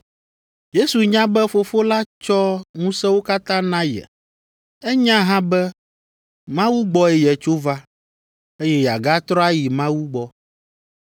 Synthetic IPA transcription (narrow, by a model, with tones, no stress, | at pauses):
je˦su˨ɲã˦bɛ˦fo˦fo˦la˦t͡ʃɔ˦ŋũ˦sɛ̃˦wo˦ka˦t̪ã˦nã˦jɛ̰˨ | ɛ˦ɲã˦ɦã˦bɛ˦ | mã˦wu˦ɡ͡bɔ˦ɛ˦jɛ˨t͡ʃo˦va˦ | e˦jɛ˦ja̰˨ɡa˦t̪ɾɔ˦a˦ji˨mã˦wu˦ɡ͡bɔ˦